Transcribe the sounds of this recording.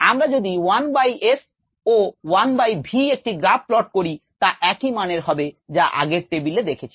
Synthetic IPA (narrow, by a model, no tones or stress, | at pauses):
amɾad͡ʑod̪iwanbajʔes | owanbajbʱiek̚ʈiɡɾab̚plɔʈ̚koɾit̪aʔɛkimaneɾɦɔbed͡ʑaʔa̰ɡeɾt̪ebiled̪ekʰet͡ɕʰi̥